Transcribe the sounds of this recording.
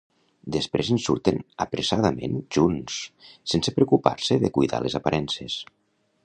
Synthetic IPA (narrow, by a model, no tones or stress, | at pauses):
d̪əspɾezənsuɾt̪enəpɾesaðəmenʒunsːensepɾeukupa̰ɾseðekujðalezapaɾʔɛnses